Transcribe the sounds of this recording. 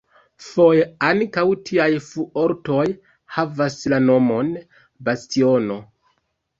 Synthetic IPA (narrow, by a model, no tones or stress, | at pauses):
fo̞jeaŋkawtʰiajfuʔo̞ɾto̞j | havaslano̞mo̞n | bastio̞no̞